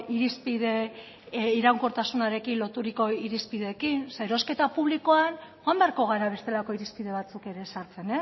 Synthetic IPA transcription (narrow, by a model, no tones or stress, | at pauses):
iɾispiðe̞ | iɾawŋkoɾt̪asunaɾe̞kinlot̪uɾiko̞iɾispiðe̞kinseeɾo̞ske̞t̪apuβliko̞anxoambeaɾko̞ɣ̞aɾaβe̞st̪e̞lako̞iɾispiðe̞βat͡suke̞ɾe̞saɾt͡se̞ne